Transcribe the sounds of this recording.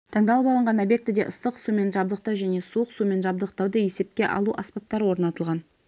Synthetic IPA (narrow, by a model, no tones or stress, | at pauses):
t̪ʰɑŋd̪ɑlˠəpɑlˠəɴʁɑno̞bje̞k̚t̪ɪd̪e̞̰ʔəst̪əqsume̞nʒɑb̚d̪əq̚t̪ɑwʒæne̞suəqsume̞nʒɑb̚d̪əq̚t̪ɑwd̪əje̞se̞p̚kʲe̞̰ʔɑ̰lˠuʔaspap̚t̪ːɑɾəwo̞ɾnɑt̪əlˠʁɑn